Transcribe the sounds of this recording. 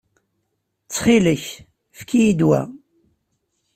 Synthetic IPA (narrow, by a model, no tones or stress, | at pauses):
t͡sːχiləç | fkijid̪wæ̰